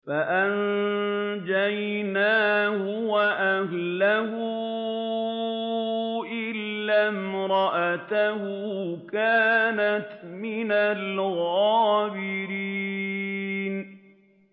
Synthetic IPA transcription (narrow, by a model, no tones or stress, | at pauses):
faʔan | d͡ʒaj | naːhʊwaʔahlahʊ | ʔɪlːamɾˤɑʔat̪ahʊkaːnat̪mɪnalɣɑːbɪɾiː | n